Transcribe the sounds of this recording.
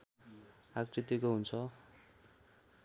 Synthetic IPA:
ak̚t͡sit̪ikoɦunt͡sʰʌ

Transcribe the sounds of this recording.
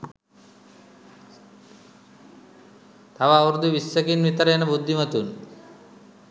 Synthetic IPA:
t̪ʰɐʋaʋɾd̪ʱuʋisːɐkinʋit̪ɐɾeːnɐbud̪ʱːimɐt̪un

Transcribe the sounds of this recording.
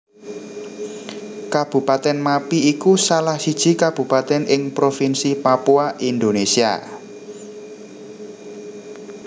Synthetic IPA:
kab̥ṳpat̪ɛnmapiːkusalahsid̥ʒ̥i̤kab̥ṳpat̪ɛnʔɪŋpɾofinsipapuaʔind̪onesia̰

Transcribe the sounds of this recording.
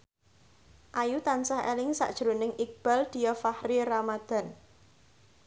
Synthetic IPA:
ʔajut̪ansahḛlɪŋsa̰ʔd̥ʒ̥ɾonɪŋʔik̚b̥a̤ld̪̥i̤jɔfahɾiramad̪̥a̤n

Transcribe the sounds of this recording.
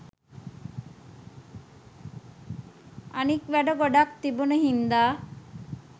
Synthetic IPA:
anikʋɛɖoɡɔɖak̚t̪iboneɦind̪aː

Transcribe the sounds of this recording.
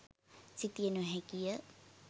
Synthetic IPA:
sit̪ijənuɦɛkijə

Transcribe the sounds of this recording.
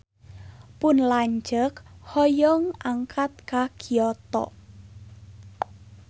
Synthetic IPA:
pʊnlaɲd͡ʒəkhɔjɔŋaŋkʰat̪̚kakiɔt̪ɔ̰

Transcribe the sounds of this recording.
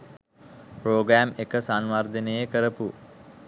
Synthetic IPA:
proːɡɾæːmekəsanʋard̪ənejekəɾəpu

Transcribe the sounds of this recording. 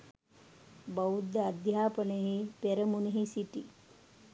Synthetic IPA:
bəwd̪ad̪ʱjaːpəneɦipeɾəmuneɦisiʈi

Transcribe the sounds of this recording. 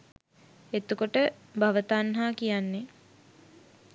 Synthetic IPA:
et̪ukoʈə | bʱaʋət̪anɦaːkijanːe

